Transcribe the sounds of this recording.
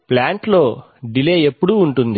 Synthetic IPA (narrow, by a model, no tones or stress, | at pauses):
plaːɳʈlo̞ː | ɖileːe̞pːuɽuːɳʈund̪i